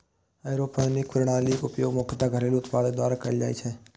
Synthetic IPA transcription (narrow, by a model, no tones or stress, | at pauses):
ajɾoːpanɪkpɾʊɽ̃aːliʔʊpjoːɡmoːkʰt̪aɡʱəɾeːluʊt̪paːded̪aːɾakɐɾid͡ʒa̰ːḭt͡ʃʰɛː